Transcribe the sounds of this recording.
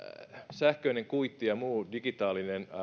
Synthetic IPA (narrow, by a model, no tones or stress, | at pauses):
sæhkøineŋkuit̪ːijɑmuːdiɡ̥it̪ɑːlinen